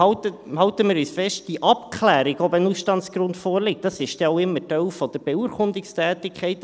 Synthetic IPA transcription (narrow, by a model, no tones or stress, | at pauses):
ɑtəhɑʊtəmɪːɾysfɛʃtd̥iʔɑpkʰχlæːɾɪɡɔbənusʃtɑntsɡ̥ɾʊntfɔːɾlɪk̚d̥ɑsɪʃt̪ɛɔʊɪmːətœwfɔd̪̥əɾbɛuːɾkʊndɪkstæːtɪkʰχɛɪt